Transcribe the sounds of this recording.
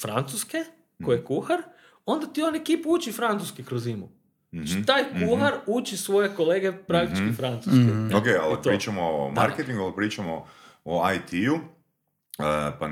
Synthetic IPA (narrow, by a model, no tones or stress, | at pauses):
fɾant̪suske | kojekuxaɾ | o̞nd̪at̪io̞nekiːpuut͡ʃifɾant̪uskikɾozimu | t̪aːjkuhaɾut͡ʃisʋo̞je̞ko̞leːɡepɾak̚t̪i̥t͡ʃkifɾant̪suskiokealp̪ɾiːt͡ʃamoma̰ɾket̪iŋɡualpɾiːt͡ʃamo | oajt̪ʰiu | pa